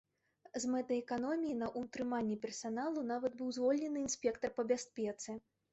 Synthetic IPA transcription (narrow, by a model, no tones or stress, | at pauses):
zmɛt̪ɐɛkanɔmʲijinɐʔut̪ɾɨmanʲːɛpʲɛrsanalˠunavɐd̪bɨwzvɔlʲnʲɛnɨinsʲpʲɛkt̪ɐrpɐbʲasʲpʲɛt̪sɨ